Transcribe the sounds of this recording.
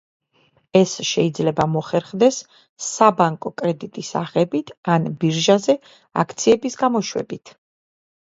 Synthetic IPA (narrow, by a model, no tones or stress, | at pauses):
ɛsʃɛid̪zlɛbamɔχɛɾχd̪ɛsː | abaŋkʼɔkʼɾɛd̪it̪ʼisaχɛbit̪ʰanbiɾʒazɛ | a̰kʰt̪sʰiɛbisɡamɔʃwɛ̰bit̪ʰ